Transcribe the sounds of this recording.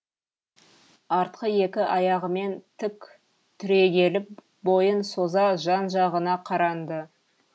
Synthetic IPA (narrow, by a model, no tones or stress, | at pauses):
ɑɾt̪̚qəje̞kʲɪʔɑjɑʁəme̞nt̪ʰɪkʲ | t̪ʰʏɾe̞ɡʲe̞lɪp̚ | bo̞jənso̞zɑʒɑnʒɑʁənɑqʰɑɾɑnd̪ə